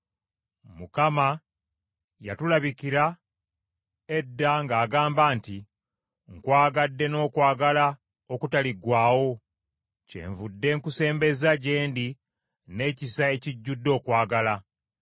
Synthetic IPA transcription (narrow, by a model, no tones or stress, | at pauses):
mukama | jatulaβikiɾa | edːaŋɡaːɡaːmbaːnti | ŋkwaːɡadːe̞no̞ːkwaːɡala | okutaliɡwaːwo̞ | ce̞̰ːɱvudːe̞ŋkuse̞ːmbe̞zaɟe̞ːndi | ne̞ːcisae̞ciɟːudːo̞ːkwaːɡala